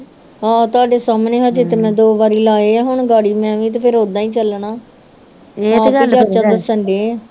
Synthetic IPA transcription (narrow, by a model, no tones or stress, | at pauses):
aːt̪ʊaːɖeːsaːmneːɦaːd͡ʒɪt̪emɛ̃ːd̪oːbaːɾiːlaːeːaːɦʊɳɡaːɽiːmɛ̃ːʋĩːt̪epʰɪɾɦoːd̪aːĩːt͡ʃəlɳaː | ad͡ʒaːt͡ʃãːd̪əsəɳɖeː